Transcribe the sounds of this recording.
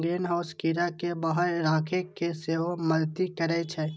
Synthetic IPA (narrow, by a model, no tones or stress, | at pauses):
ɡeːnɦaːskiːɾakebaɦəɾɾaːkʰekeseːɦoməlt̪ikəɾɛt͡ʃʰɛː